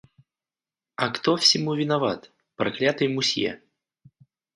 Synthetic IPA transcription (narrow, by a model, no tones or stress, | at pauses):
ɐkt̪ofsʲɪmuvʲɪnɐva̰t̪ | pɾɐklʲat̪ɨjmʊsʲjḛ